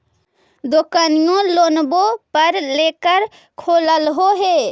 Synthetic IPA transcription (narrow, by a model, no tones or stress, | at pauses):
d̪okanijõlonbopəɾlekəɾ | kʰoləlɦoɦe